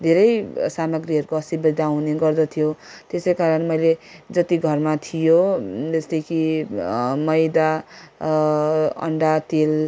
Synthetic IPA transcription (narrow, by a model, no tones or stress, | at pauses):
d̪ʱeɾʌjsamʌɡriɦʌɾukoʌsibʌd̪ʱaw̃neɡʌrd̪ʌt̪ʰijo | t̪esʌjkaɾʌnmʌjled͡zʌt̪iɡʱʌrmat̪ʰijod͡zʌst̪ʌjkʰi | mʌjd̪a | ʌ̰ɳɖat̪el